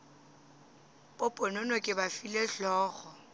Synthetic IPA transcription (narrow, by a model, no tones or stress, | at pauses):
bʼopʼɔnɔnɔkʼɪbafileɬɔːɣɔ